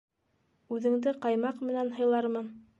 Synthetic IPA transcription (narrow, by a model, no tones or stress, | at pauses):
ʉðɘ̆ŋd̪ɘqɑjmɑqmɘ̆nænɦɤ̆jlˠɑɾmɤ